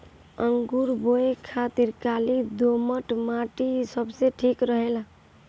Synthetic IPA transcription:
əŋɡuɾboekʰat̪iɾkalid̪oməʈmaʈisəbseʈʰikɾəɦela

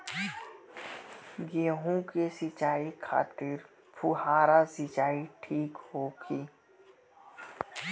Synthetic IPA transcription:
ɡẽːɦũkesɪt͡ʃaːikʰa̰ːt̪ɪɾ | pʰʊɦaːɾasɪt͡ʃaːiʈʰiːkhoːɡiː

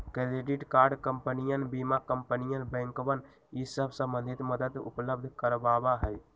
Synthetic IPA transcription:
kɾɾeɖiʈkaːɾɖkəmpənijənbimakəmpənijənbɛ̃ŋkoʋən | isəbʱsə̃mbə̃nd̪ʱit̪məd̪əd̪ṵpləb̚d̪ʱkəɾbabaɦəj

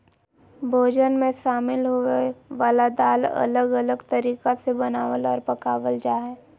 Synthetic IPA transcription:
bʱoːd͡ʒənmẽʃaːmɪlɦoeʋaːlad̪aːlɐ̰ləɡələɡt̪ɐɾiːkasebɐnaːʋəlɔːɾpɐkaːʋəld͡ʒaːɦɛː

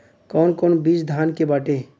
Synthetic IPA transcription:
kɔːnkɔːnbiːt͡ʃd̪ʱaːnkebaːʈeː

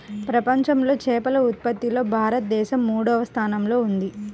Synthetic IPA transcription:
pɾɐpɐɲt͡ʃɐmlo̞ːt͡ʃɛːpɐlɐut̪̚pɐt̪ːilo̞ːbʱaːɾɐt̪̚d̪ɛːʃɐmːuːɽɔːʋɐst̪ʰaːnɐmlo̞ːund̪i

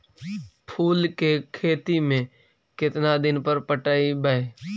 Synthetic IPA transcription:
pʰuːlkekʰeːt̪imẽ | kɪt̪nad̪ɪnpəɾpəʈaːibəeː

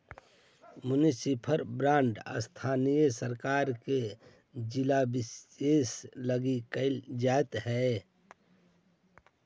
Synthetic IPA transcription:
mʊnisipʰəɾbɾãːɳɖə̰st̪ʰaːnijəsəɾkaːɾke | d͡ʒɪlabɪseːsləɡikəld͡ʒaːt̪ɦɛ

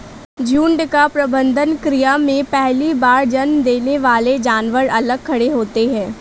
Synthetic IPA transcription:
d͡ʒuːɳɖkapɾɐbə̃nd̪ʱənkɾijamẽpɛɦlibaːɾd͡ʒɐnmd̪eːneʋaːled͡ʒaːnʋəɾɐləɡ̚kʰːɐɽeɦoːt̪eɦɛ̃ː

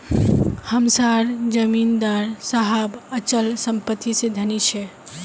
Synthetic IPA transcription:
həmsaɾd͡ʒəmind̪aɾsaɦabət͡ʃəlsəmpət̪isẽd̪ʱənit͡ʃʰɛ

